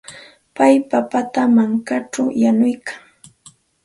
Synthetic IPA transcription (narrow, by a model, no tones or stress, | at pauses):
pajpapat̪amaŋkaʈ͡ʂawjanʊjkʰaŋ